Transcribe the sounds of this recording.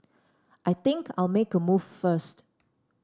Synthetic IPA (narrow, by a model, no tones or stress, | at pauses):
ʔajt̪ɪ̃ŋkʰa̰jlmekəmuffəst